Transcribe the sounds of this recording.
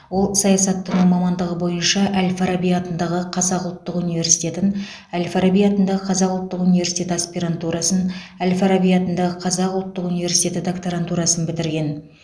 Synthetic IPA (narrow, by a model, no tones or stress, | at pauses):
wo̞lˠsɑjɑsɑt̪ːʊnumɑmɑnd̪əʁəbo̞jənʃɑʔælʲfaɾabijat̪ənd̪ɑʁəqʰɑzɑqʊlˠt̪ːəqunijve̞ɾsi̥jt̪ʲe̞t̪ɪn | ælʲfaɾabijat̪ənd̪ɑʁəqʰɑzɑqʊlˠt̪ːəqunivesi̥jt̪ʰʲe̞t̪əaspiɾant̪uɾɑsənælʲfaɾabijɑt̪ənd̪ɑʁəqʰɑzɑqʊlˠt̪ːəqunijve̞rsi̥t̪ʲe̞t̪ɪd̪okt̪oɾant̪uɾɑsənbɪt̪ɪɾɡʲe̞n